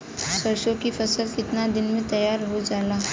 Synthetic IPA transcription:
sɐɾʃõkifɐsəlkɪt̪nad̪ɪnmẽt̪ɐjaːɾɦod͡ʒaːlaː

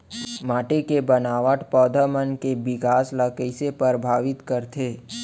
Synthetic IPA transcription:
maːʈekebənaːʋəʈpɔːd̪ʱəmənkebɪkaːsləkəɪsepəɾbʱaːʋɪt̪kəɾt̪ʰeː

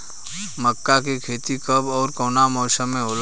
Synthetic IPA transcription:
məkːakekʰeːt̪ikəbɔːɾkoːnamɔːʃəmːẽɦoːl

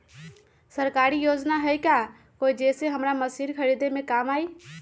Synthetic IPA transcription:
səɾkaːɾijoːd͡ʒnaɦəika | koid͡ʒeːseɦəmɾaməsiːɾkʰəɾid̪emẽkaːmaːi

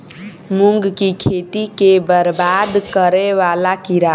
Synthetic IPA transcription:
muŋɡkikʰet̪ikebəɾbad̪kəɾeʋalakiɾa

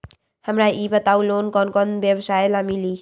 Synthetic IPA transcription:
həmɾaʔibət̪awlonkʌnkʌnbjebsajlamili

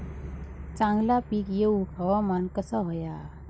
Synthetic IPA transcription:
t͡sãŋɡlapikjeukʰawamankəsaɦɔja

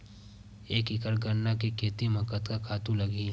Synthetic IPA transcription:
eːkɪkəɾɡəɾnakikʰeːt̪imɐkət̪kakʰaːt̪ũlɐɡi

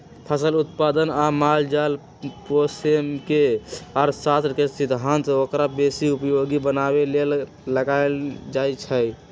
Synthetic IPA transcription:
pʰəsəlut̪̚pad̪ənamald͡ʒal | posemkeəɾsat̪ɾkesid̪ʱɦant̪okɾabesiupjoɡibənabele | ləɡald͡ʒajt͡ʃʰə

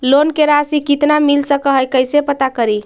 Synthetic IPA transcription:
lonkeɾasikit̪namilsəkəɦəjkəjsepət̪akəɾi

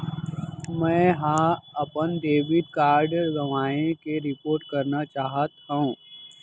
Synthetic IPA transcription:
mɛ̃ːɦãɐpənd̪eːʋɪd̪kaːɾɖəɾɡɐʋaːẽkeɾɪpoːɾʈ̚kɐɾnat͡ʃaːɦət̪ɦɐũː

